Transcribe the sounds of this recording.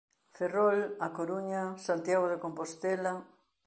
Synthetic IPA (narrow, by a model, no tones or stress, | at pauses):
ferolakoɾuɲasant̪jaɣoðekompost̪ela